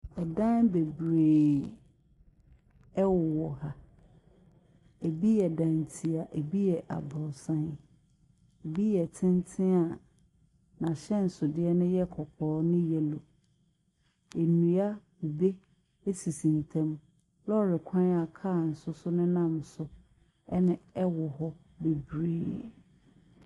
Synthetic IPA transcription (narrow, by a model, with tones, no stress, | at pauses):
ɛ˨dã˦nbe˨bɾeː˨ | ɛ˦wʊ˨wɔ˨ha˨ | e˨bi˦jɛ˨dã˨n˨tʰi˨a˨ʔe˨bi˦jɛ˨ʔa̰˨bɔ˨sã˦n | e˨bi˦jɛ˨tʰɪ̃˦n˦tʰɪ̃˦a˨ | nã˨ɕɛ˦n̩˨sʊ˨dɪ˦ɛ˦nʊ̃˦jɛ˦kʰɔ˨kʰɔː˨˦nʊ̃˦jɛ˨lo˨ | e˨nũ˨a˦˨ | be˦ | e˦si˨sĩ˨n˨tʰɛ̃˦m | lɔ˦˨ɾɪ˨kʷʰã˦na˨kʰaː˦˨n̩˨sʊ˦sʊ˦nʊ̃˦nã˦˨msʊ˦ | ɛ˦nɪ̃˦ɛ˦wɔ˨ɦɔ˦ | be˨bɾiː˦˨